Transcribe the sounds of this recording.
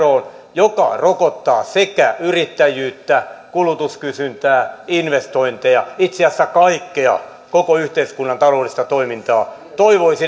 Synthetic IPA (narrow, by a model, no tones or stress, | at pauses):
oːn | jokɑ̰rokot̪ːɑːsekæyrit̪ːæjyːt̪ːækulut̪uskysynt̪æːinʋest̪oint̪ejɑ̰it̪seæsːækɑikːeɑ̰ | kokoyht̪eiskunːɑnt̪ɑloːlːist̪ɑt̪oimint̪ɑː | t̪oiʋoisi